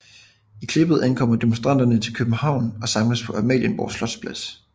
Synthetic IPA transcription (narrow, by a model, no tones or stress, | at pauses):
ikʰle̝b̥ð̩ˠʔænkʰɒ̽m̰ɐd̥e̝monsd̥ʁɑ̈n̰d̥ɐnət͡sʰe̝lkʰøb̥n̩hɑ̈ʊ̰nɒ̽sɑ̈mləspʰɒ̽ʔɑmɛ̰ljənʋɒ̰ːslɒ̽d̥spʰlæs